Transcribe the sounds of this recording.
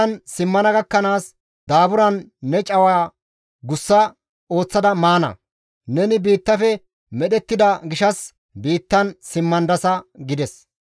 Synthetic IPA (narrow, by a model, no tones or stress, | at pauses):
ɐnsɪmːɐnɐɡɐkːɐnaːs | d̪aːbʊɾɐnːɛt͡ʃʼɐwaː | ɡʊsːɐ | o̞ːt͡sːɐd̪ɐmaːnɐ̰ | nɛnɪbiːt̪ːɐfɛ | mɛɗɛt̪ːɪd̪ɐɡɪʃɐs | biːt̪ːɐnsɪmːɐnd̪ɐsɐɡɪd̪ɛs